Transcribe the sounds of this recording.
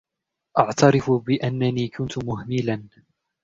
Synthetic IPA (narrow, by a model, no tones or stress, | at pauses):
ʔɑʕt̪ɑɾɪfʊbɪʔanːaniːkʰʊnt̪ʊmʊhmɪlan